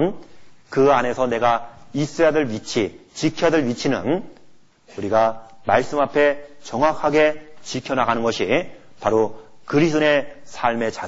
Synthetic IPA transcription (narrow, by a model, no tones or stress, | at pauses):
nkɯane̞sʰʌne̞ɡais͈ejadɯɭɥit͡ɕʰit͡ɕikʰjʌdɯɭɥit͡ɕʰinɯ̰n | uɾiɡamaɭs͈ɯmapʰe̞t͡ɕʌŋɦwakʰaɡe̞t͡ɕikʰjʌnaɡanɯnɡʌɕʰi | paɾo | kɯɾisʰɯne̞sʰaɭme̞t͡ɕa